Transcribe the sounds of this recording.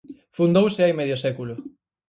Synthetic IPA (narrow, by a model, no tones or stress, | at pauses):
fund̪owsɪajmeðjosɛkulʊ